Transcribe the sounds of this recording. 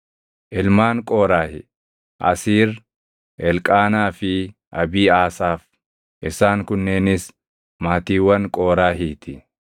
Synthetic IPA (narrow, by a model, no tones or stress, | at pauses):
ʔɪlmaːŋkʼoːɾaːhɪ | ʔɐ̰siːɾ | ɛlkʼaːnaːfɪ | ʔɐbiːaːsaːf | ʔɪsaːŋkʊnːeːnɪs | maːt̪iːwɐnkʼoːɾaːɦiːt̪ɪ